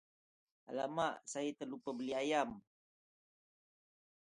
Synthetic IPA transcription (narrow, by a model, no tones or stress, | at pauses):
a̰lamaʔsajət̪əlupəbəliajam